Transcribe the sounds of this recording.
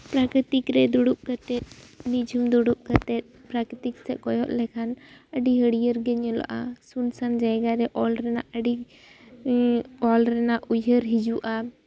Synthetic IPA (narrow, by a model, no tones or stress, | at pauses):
pɾakɾit̪ikɾɛd̪uɽup̚kət̪ɛt̪̚nid͡ʒʱumd̪ɔɽup̚kat̪ɛt̪̚pɾakit̪ik̚sɛʔ̚kɔjɔʔ̪̚lɛkʰanəɖiɦəɽijəɾɡɛɲɔlɔ̰ʔasunsand͡ʒajɡaɾɛʔɔlɾɛnaʔəɖi | ɔlɾɛnaʔujəɾɦid͡ʒuʔa